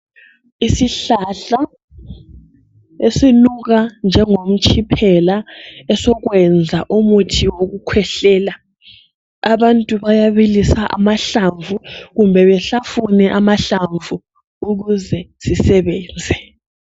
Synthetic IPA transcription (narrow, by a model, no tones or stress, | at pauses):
isiɬaɬa | esinuɣ̬and͡ʒʱɛŋom̩t͡ʃʰʼipʰɛlaɛsɔɣwɛnd͡zʱaʔumutʰiwoɣukʰwɛɬɛːla | aβantʼuβajaβilisaʔa̰maɬaɱvʱuɣumbʱɛβɛɬafunɛʔamaɬaɱvʱu | uɣuzɛsisɛβɛːnd͡zʱɛ